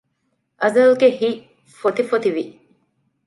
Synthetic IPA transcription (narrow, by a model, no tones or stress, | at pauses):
ʔɐzɐlɡehi | fot̪ifot̪iʋi